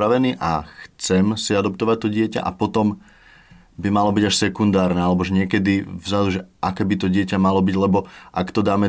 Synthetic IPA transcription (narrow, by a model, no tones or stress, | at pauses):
ɾaʋɛniːʔa̰xt͡sɛmsiad̪ɔp̚t̪ɔʋac̚t̪ɔɟɪɛca̰ʔa̰pɔt̪ɔm | bimalɔbiɟaʃsɛkund̪aːɾnɛːalɛbɔʒɛɲɪɛkɛd̪ivzad̪uʒɛʔakɛːbit̪ɔɟɪɛcamalɔbiɟlɛbɔʔakt̪ɔd̪aːmɛ